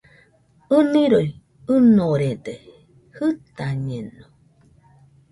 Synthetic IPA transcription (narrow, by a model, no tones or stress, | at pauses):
ɨnĩɾoj | ɨnoɾed̪e | hɨt̪aɲẽno